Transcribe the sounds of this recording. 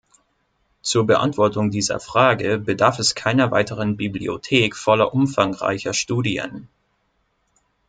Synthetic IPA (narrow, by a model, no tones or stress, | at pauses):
t͡suːɐbəʔa̰ntv̥ɔɐtʊŋdiːzɐ̰fʁ̥aːɡəbədaɐfɛskʰaɪnɐva̰ɪtəʁənbiblḭo̰tʰeːkfɔlɐʔʊmfaŋʁa̰ɪçɐʃtuːdiə̰n